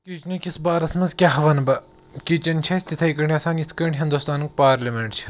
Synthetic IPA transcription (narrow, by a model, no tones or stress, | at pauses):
kʲit͡ʃnukʲisbaːɾɐsmɐnzkʲaːɦɐʋɐnbɐ | kʲit͡ʃɐnt͡ʃʰɐsʲt̪it̪ʰɐikɐɳɖʲɐːsaːnit̪ʰkɐɳɖʲɦind̪uːst̪aːnuk̚paːɾlʲɐmʲeɳʈt͡ʃʰ